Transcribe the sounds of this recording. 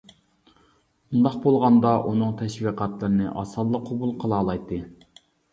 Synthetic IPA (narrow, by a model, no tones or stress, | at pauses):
und̪ɑqbolˠʁɑnd̪ɑʔunɨŋt̪ʰɛʃwiːqʰɑt̪lˠɨɾɨnɨʔɑ̰sɑlˠːəqʰobulˠqʰəlˠɑːlˠɑjt̪ʰːɨ